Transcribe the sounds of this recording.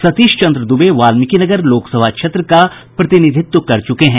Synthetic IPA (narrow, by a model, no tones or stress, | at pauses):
sɐt̪iːʃt͡ʃɐ̃nd̪ɾəd̪ʊbeʋaːlmɪkinɐɡəɾloːksəbʱakʃʰet̪ɾəka | pɾɐt̪ɪnɪd̪ʱɪt̪ːwkɐɾt͡ʃʊkeɦɛ̃ː